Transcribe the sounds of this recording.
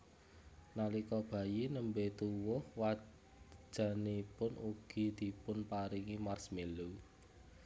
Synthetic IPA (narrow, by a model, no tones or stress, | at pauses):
nalikɔb̥ä̤jinəmbet̪uwʊhwḁ | ʒ̥a̤nipʊnuɡ̥i̤d̪̥i̤pʊnpaɾiŋimarsmelu